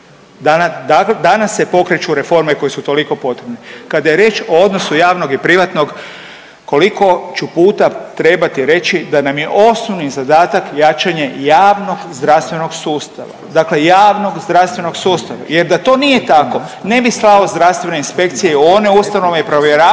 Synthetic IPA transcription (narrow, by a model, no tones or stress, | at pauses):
d̪ad̪akled̪anasːe̞po̞kɾet͡ʃuɾefo̞ɾmeko̞jesut̪o̞liko̞po̞t̪ɾebnekad̪ajeɾjeːt͡ʃood̪no̞sujaːʋno̞ɡipɾiʋat̪no̞ɡ | ko̞liko̞t͡ʃupuːt̪at̪ɾe̞bat̪iɾe̞t͡ʃid̪anamje̞ʔo̞snoʋnizad̪aːt̪akjat͡ʃaɲejaːʋno̞ɡzd̪ɾaʋst̪ʋe̞no̞ɡsuːst̪a̰ʋa̰d̪akle̞jaːʋno̞ɡzd̪ɾaʋst̪ʋe̞no̞ɡsuːst̪aʋa̰je̞ɾd̪at̪o̞ːnije̞t̪ako̞ne̞bislˠaozd̪ɾaʋst̪ʋe̞ne̞inspe̞kt̪sijeone̞ust̪ano̞ʋeipɾo̞ʋjeɾaː